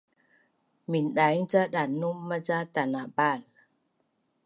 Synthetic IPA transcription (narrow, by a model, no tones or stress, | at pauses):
minɗajt͡saɗanːumːat͡sat̪anabaːn